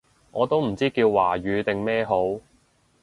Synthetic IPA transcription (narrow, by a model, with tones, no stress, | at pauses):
ŋɔː˨˧t̪o˥wm̩˨˩t͡siː˥kiː˧wːaː˨˩ɥyː˨˧t̪ɪ˨ŋmɛː˥ɦo˨˥w